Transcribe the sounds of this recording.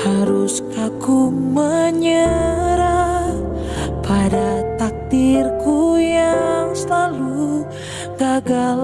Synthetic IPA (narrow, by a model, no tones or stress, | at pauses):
haɾuskakuməɲəɾa | pʰadat̪ak̚t̪ɪrkujaŋsəlalu | ɡaɡal